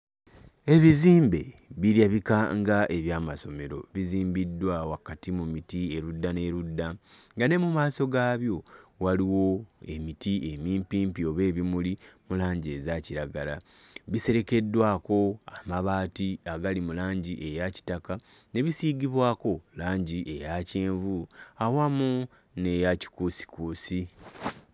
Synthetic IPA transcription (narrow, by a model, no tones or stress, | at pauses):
e̞βiziːmbe̞βiɾjaβikaŋɡaʔe̞βjaːmaso̞me̞ɾo̞̰βiziːmbidːwawakatimumitie̞ɾudːane̞ɾudːaŋɡane̞mumaːso̞ɡaːβjo̞waliwo̞e̞mitiʔe̞miːmpiːmpio̞βe̞ːβimulimulaːɲɟe̞zaciɾaɡala | βise̞ɾe̞ke̞dːwaːko̞amaβaːtiaɡalimulaːɲɟiʔejaci̥taka | ne̞βisiɡiβwaːko̞laːɲɟiʔe̞jaceːɱvuawamu | ne̞jaci̥kusi̥kuːsi